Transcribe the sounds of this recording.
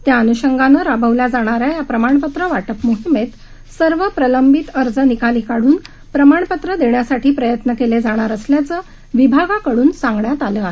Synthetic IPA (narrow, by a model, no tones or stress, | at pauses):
t̪jaənuɕəŋɡanəɾabʱəʋljad͡zaɽ̃aɾjajapɾəmaɳpət̪ɾəʋaʈəpmoɦimet̪ | səɾʋəpɾələmbit̪əɾd͡zənikaliːkaɽuːn | pɾəmaɳ̃pət̪ɾəd̪eɳjasaʈʰiːpɾəjət̪nəkeled͡zaɽ̃aɾəsljat͡səː | ʋibʱaɡakəɽuːnsãŋɡɳjat̪aləːaɦe